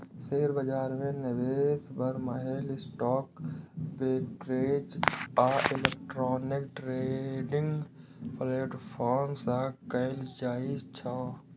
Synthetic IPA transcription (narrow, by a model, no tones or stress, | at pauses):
seːɾbəd͡ʒaːɾmẽnɪʋeːsbəɾməɦelɪsʈɔːkbeːʈɾeːd͡ʒaːɪlek̚ʈɾɔːnɪkʈɾeɖɪ̃ŋɡpleːʈpʰɔːɾmsakəɪld͡ʒaːid͡ʒt͡ʃʰa